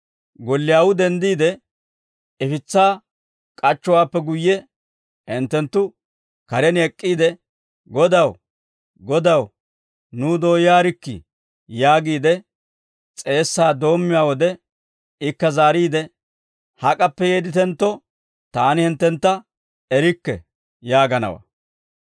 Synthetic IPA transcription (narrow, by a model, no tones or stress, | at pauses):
ɡɔlːɪjaːwʊd̪ɛnd̪iːd̪ɛ | ɪfɪt͡sːaː | kʼɐt͡ʃːɔwaːpːɛɡʊjːɛ | hɪnt̪ːɛnt̪ːʊ | kɐɾɛnɛkʼːiːd̪ɛ | ɡɔd̪ɐw | ɡɔd̪ɐw | nud̪o̞ːjjaːɾɪkːɪ̰ | jaːɡiːd̪ɛ | t͡sʼe̞ːsːaːd̪o̞ːmːɪjaːwɔd̪ɛ | ɪkːɐzaːɾiːd̪ɛ | hɐkʼɐpːɛjeːd̪ɪt̪ɛnt̪ːɔ | t̪aːnɪhɪnt̪ːɛnt̪ːɐ | ɛɾɪkːɛ̰ | jaːɡɐnɐ̰wɐ̰